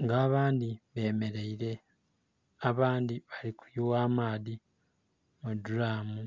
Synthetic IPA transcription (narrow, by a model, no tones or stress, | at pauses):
ŋɡaːβaːndiβe̞ːme̞ɾe̞iɾe̞ | aβaːndiβaliku̥juwaːmaːði | muduɾaːmu